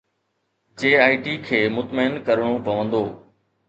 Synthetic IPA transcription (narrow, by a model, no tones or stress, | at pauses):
t͡ɕeːaːiʈikʰeːmʊt̪məɪnkɐɾəɽ̃opɐʋə̃nd̪oː